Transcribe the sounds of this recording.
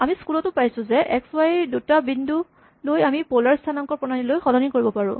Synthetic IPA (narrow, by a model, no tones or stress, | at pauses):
amiskulɔtʊpajsʊ̃zɛʔɛkswajdutabindʱu | lojamipolaɹstʰanaŋkɔɹpɔnanilojxɔlɔnikoɹibɔpaɹʊ̰̃